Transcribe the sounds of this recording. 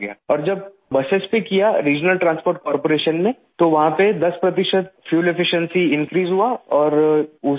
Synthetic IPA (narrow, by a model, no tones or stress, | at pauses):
ɡa̰ɔːɾd͡ʒɐb̚ | bɐsespekijaɾiːd͡ʒnəlʈɾãːnspoːɾʈ̚kɔːɾpoːɾeːʃənmẽ | t̪oʋɐɦãped̪ɐspɾɐt̪ɪʃət̪̚fʰjuːlefɪʃə̃nsiɪ̃nkɾiːzɦuaɔːɾʊ